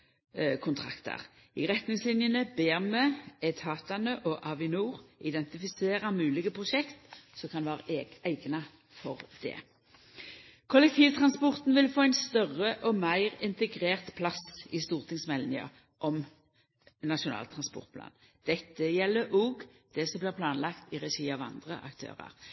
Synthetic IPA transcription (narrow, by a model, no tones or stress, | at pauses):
kʰʊnt̪ʰʁɑ̰kt̪ʰə̰ʁ | ɪʁɛt̪nɪŋslɪnjənəbeːʁmɛɛt̪hɑːt̪ɑnəʔɔʔɑʋɪnuːʁʔɪd̪ɛnt̪ɪfɪseːɾɑmʉːlɪɡəpʰʁʊʃɛkt̪sɔkʰɑnʋæːʁæɪɡnɑ | fɔʁd̪̥ɛ̰ː | kʰʊlɛk̚t̪ʰiːʋt̪ʰʁɑnspɔʁt̪n̩ʋɪlfoːæɪnst̪œʁəʔɔmæɪʁɪnt̪əɡʁeːʁt̪pʰlɑsɪst̪uːʁt̪ʰɪŋsmɛlnɪɑ̰ | ʔɔm | nɑʃʊnɑ̰ːlt̪ʰɾɑnspɔ̰ʁt̪̚plɑ̰ːn | d̪̥ɛt̪ːəjɛlːəʔoːɡ | d̪̥ɛsɔmblɪːʁpʰlɑːnlɑkt̪ɪʁɛʃiːɑːʋɑ̰nd̪ʁəʔɑ̰kt̪ʰø̰ːʁə̰ʁ